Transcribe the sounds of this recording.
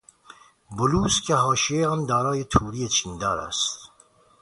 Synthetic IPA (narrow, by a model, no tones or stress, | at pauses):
bʊluːskʰeɦɑːʃieɑːnd̪aːɾɑːjet̪ʰuːɾijet͡ʃʰind̪æːɾæ̰st̪